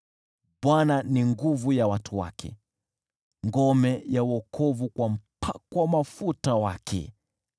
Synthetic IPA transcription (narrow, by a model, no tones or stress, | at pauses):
ɓwananiŋɡuvujawatʰuwa̰kʰɛ̰ | ŋɡɔmɛjauɔkʰɔvukwam̩pʰakwamafutawakʰɛ̰